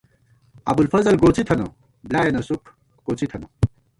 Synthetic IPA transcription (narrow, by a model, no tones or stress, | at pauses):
ɐ̰bulfɐzɐlɡoːt͡sʰit̪ʰɐnɐ̰ | blaːjɐnɐsukʰ | koːt͡sʰit̪ʰɐnɐ